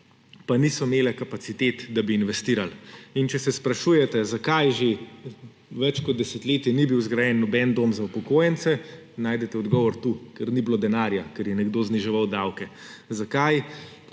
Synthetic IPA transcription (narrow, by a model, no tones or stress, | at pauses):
panisɔmeːlɛkapat̪sit̪eːt̪d̪abiːnʋɛst̪iːɾalint͡ʃɛsɛspɾaʃujɛt̪ɛzakajʒe | ʋɛt͡ʃkɔt̪d̪d̪ɛsɛt̪leːt̪jɛnibiwzɡɾajɛnːɔbɛnd̪oːmzaupɔkoːjɛnt̪sɛ | naːjd̪ɛt̪ɛɔd̪ɡɔːʋɔɾt̪ukɛɾnibloːd̪ɛnaːɾjakɛɾjɛnɛɡd̪oːzniʒɛʋawd̪awkɛ | zakaj